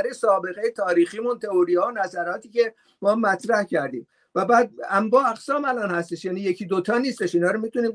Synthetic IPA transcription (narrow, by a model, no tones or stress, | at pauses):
ɾesɒːbe̞ɣejet̪ʰɒːɾiːxiːmunt̪ʰe̞oɾiːhɒːonæzæɾɒːt̪ʰiːce̞ | mɒːhæmːæt̪ɾæhcʰæɾd̪ḭːm | væbæːd̪̚æmbɒːæɣsɒːmælɒːnhæst̪e̞ʃjæːniːje̞cʰiːd̪ot̪ʰɒːniːst̪e̞ʃiːnɒːɾomiːt̪uniːm